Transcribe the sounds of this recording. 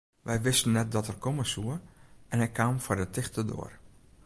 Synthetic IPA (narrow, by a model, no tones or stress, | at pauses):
ʋɛjʋɪstənːɛt̚dɔtɛrkʰɔməsuəɛnɦɛjkʰaːmfɔɹdətɪxtədo̰ər